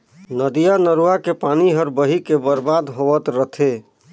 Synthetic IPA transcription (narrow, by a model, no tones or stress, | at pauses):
nəd̪ijanəɾuakepaniɦəɾbəɦikebəɾbad̪ɦoʋət̪ɾət̪ʰe